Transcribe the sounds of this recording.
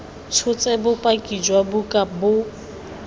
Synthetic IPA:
t͡sʰʊt͡sʼɛbʊpʼakʼid͡ʒwabukʼabʊ

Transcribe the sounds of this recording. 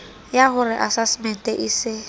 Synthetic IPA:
jaɦʊrɪʔasasmɛn̩tʼɛʔisɪ

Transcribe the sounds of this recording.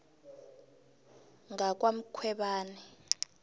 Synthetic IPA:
ŋak̬ʼwam̩kʰwɛɓaːnɛ

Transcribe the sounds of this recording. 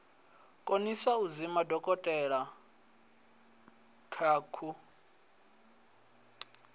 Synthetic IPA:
kʼoniswauzimadʱɔkʼɔtʼɛɺa | kʰaːkʰu

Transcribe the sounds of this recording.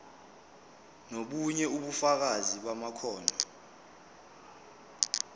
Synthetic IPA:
noɓuɲɛuɓufak̬aziɓwamakʰɔːnʱɔ

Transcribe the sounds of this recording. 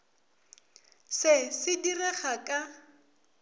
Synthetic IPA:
sɪsɪdirɛχakʼa

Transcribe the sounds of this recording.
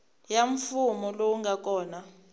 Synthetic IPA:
jaɱfumɔlowuŋɡak̬ʼɔːna

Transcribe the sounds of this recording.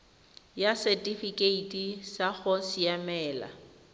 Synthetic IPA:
jasɛtʼifikʼeitʼisaɣɔsijamɛːla̰

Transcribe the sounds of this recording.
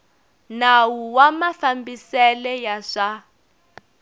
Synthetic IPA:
nawuwamafambisɛlɛjaʂa

